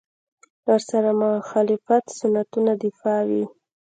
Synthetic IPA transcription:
aɾsaɾamʊxɑlɪfat̪sʊnːat̪unad̪ɪfɑwi

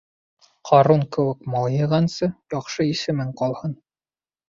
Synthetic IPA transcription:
qʰɑɾunkɘ̆wɘkmɑlˠjɤ̆ʁɑnsɤjɒqʃɤisɘ̆mɘŋqɒlˠhɤn

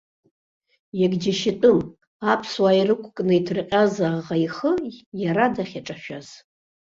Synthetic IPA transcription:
jaɡd͡ʒaʃɪtʼʊm | apʰswaːjrɨkʷʰʼkʼnɨitʰrɨqʲʼazaʁaiχəjaɾadaχʲaʈ͡ʂʼaʃᶣaz̥

